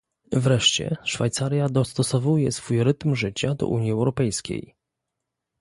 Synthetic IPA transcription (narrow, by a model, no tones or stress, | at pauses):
vɾɛʂt͡ɕɛ̰ʂfajt̪saɾʲjad̪ɔst̪ɔsɔvujɛsfujɾɘt̪mʐɘt͡ɕad̪ɔ̰ʔuɲjiɛwɾɔpɛjskʲḛj